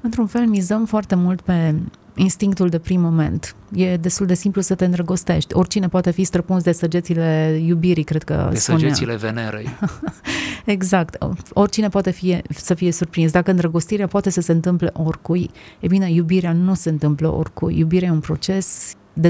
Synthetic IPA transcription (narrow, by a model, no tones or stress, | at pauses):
ɨnt̪ɾunfe̞lmizəmfoart̪e̞mult̪pe̞ | inst̪iŋk̚t̪uld̪e̞pɾimːo̞me̞̰nt̪ | je̞d̪e̞st̪uld̪e̞simplusət̪e̞ɨnd̪ɾəɡo̞st̪e̞ʃt̪ʲo̞rʲt͡ʃine̞poat̪e̞fist̪ɾəpuns̬d̪e̞səd͡ʒesile̞jubiɾikɾed̪̥̚kə̰suneeileveneɾḛ | eɡzakt̪o̞rʲt͡ʃine̞poat̪efije̞səfije̞surpɾins̬d̪akəɨnd̪ɾəɡo̞st̪iɾeapoat̪e̞səseɨnt̪ɨmple̞ʔorkujebine̞jubiɾeanuse̞ɨnt̪ɨmplə̰ʔo̰rkṵjːubiɾeajeunpɾo̞̰t͡ʃe̞s | d̪e